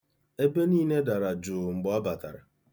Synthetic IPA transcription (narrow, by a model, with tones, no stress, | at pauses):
e˦be˦niː˦ne˦da˨ɾa˨d͡ʒʊ˨ŋ͡m̩˨ɡ͡bɔ˨˦ɔ˦ba˨ta̰˨ɾa̰˨